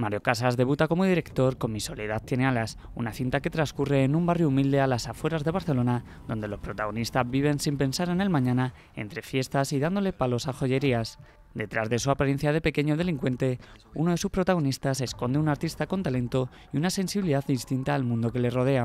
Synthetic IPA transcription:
maɾjo̞kasazðe̞βut̪ako̞mo̞ðiɾe̞kt̪o̞ɾko̞nmiso̞leð̞at̪je̞ne̞alas | ṵnaθint̪ake̞t̪ɾanskure̞ːnũmbarjoumild̪e̞alasafwe̞ɾazðe̞β̞aɾθe̞lo̞na | ðo̞nd̪e̞lo̞spɾo̞t̪aɣo̞nist̪azβiβ̞e̞nsimpe̞nsaɾe̞ne̞lmãɲãna | e̞̰nt̪ɾe̞fje̞st̪asiðand̪o̞le̞palo̞saxo̞ʝe̞ɾias | d̪e̞t̪ɾazðe̞suapaɾenθjaðe̞pe̞ke̞ɲoðe̞liŋkwe̞nt̪e̞unoðe̞suspɾo̞t̪aɣ̞o̞nist̪ase̞sko̞nd̪e̞unaɾt̪ist̪ako̞nt̪ale̞nt̪o̞ | iunase̞nsiβiliðaððist̪int̪aːlmũnd̪o̞ke̞le̞ro̞ð̞e̞a

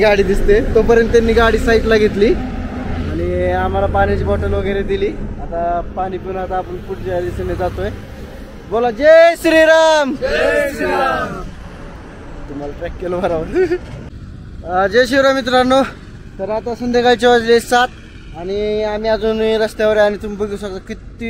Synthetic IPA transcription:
ɡaɽiːd̪ist̪et̪opəɾjənt̪t̪ːjanːiːɡaɽiːsaiʈ̪laɡit̪liː | añiam̤alapaɽ̃it͡ɕiːbɔʈəlʋəɡeɾed̪iliːat̪apaɽ̃ipunat̪aːpəɳfuʈʰljad̪isened͡zat̪oe | bolad͡ʑesɾiɾam | t̪um̤alaʈɾɛkːelobʱəɾaʋəl | d͡ʑeɕiɾamit̪ɾano | t̪əɾat̪asənd̪ʱekalt͡ɕeʋad͡zlessat̪ | aɽ̃iamiːad͡zuːniɾəst̪jaʋəɾeanit̪umibəɡisəɡt̪akit̪ːi

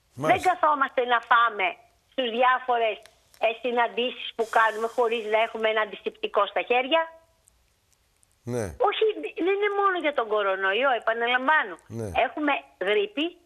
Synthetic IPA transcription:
ðe̞ŋɡɐθo̞mɐst̪e̞nɐfɐme̞ | st̪izðʝɐfo̞ɾe̞s | sinɐnd̪isi̥spukɐnume̞xo̞ɾiznɐe̞xumeenɐnd̪isipt̪iko̞st̪ɐçe̞ɾʝɐ | neo̞çininemo̞no̞ʝɐt̪o̞ŋɡo̞ɾo̞noioe̞pɐnɐlɐɱvɐnon̰e̞xume̞ɣɾipi

